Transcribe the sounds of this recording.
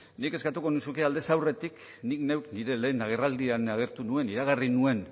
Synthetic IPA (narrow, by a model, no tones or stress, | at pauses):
nike̞skat̪uko̞nusukeald̪e̞sawre̞t̪ik | nikne̞wkniɾe̞le̞ːnaɣ̞e̞rald̪iaenaɣ̞e̞ɾt̪unue̞niɾaɣarinue̞n